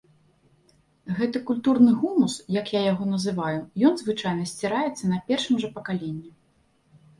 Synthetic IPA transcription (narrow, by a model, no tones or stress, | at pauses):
ɣɛt̪ɨkulʲt̪urnɨɣumusjɐkjajaɣɔn̪ɐzɨvajujɔnzvɨt͡ʂajnɐsʲt͡sʲiɾajɛt̪sːɐnɐpʲɛrʂɨmʐɐpɐkalʲenʲːi